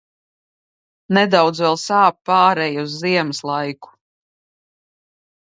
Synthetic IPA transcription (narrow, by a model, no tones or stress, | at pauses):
nɛd̪awd̪zvɛlˠsaːppːaːɾɛjuzːiɛmɨslˠajku̥